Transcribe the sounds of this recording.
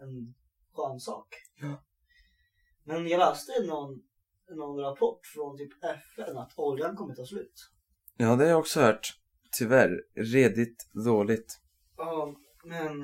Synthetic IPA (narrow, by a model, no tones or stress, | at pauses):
ɛn | ɧœːnsɑ̰ːk | mɛnjɑlɛːst̪ənːɔn | nːɔnɾapʰɔʈːfɾɔnt̪ʰyːpɛfɛnat̪ʰɔljankʰɔmːət̪ʰɑːslʉ̟ːt̪ | jɑːd̪ɛhajɑɔksɔhœːʈ | t̪ʰːʏvæɾɾeːd̪ɪt̪d̪oːlɪɡt̪ | ɑː | mɛn